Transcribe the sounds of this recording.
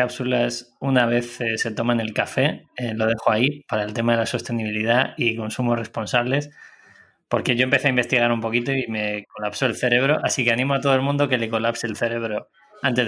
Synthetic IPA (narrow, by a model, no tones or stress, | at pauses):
apsulasunaβ̞e̞θese̞t̪o̞mane̞lkafe̞elo̞ð̞e̞xoaipaɾae̞lt̪e̞maðe̞laso̞st̪e̞niβ̞iliðaiko̞nsumo̞sre̞spo̞nsaβle̞s | po̞ɾkeʝo̞empe̞θeaimbe̞st̪iɣ̞aɾumpo̞kit̪o̞ime̞ko̞lapso̞elθe̞ɾe̞β̞ɾo̞ʔasike̞anĩmoat̪oðoelmũnd̪o̞ke̞le̞ko̞lapseːlθe̞ɾe̞β̞ɾo̞ | ant̪e̞z